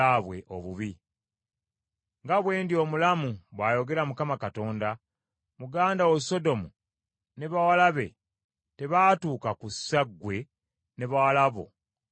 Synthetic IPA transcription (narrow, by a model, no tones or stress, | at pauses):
aβwe̞̰ʔo̞̰βuβi | ŋɡaβwe̞ːndio̞mulamuβwaːjo̞ɡe̞ɾamukamakato̞ːnda | muɡaːndaweso̞do̞mu | ne̞βawalaβe̞̰ | te̞βaːtuːkakusaɡwe̞ | neβawalaβo̞̰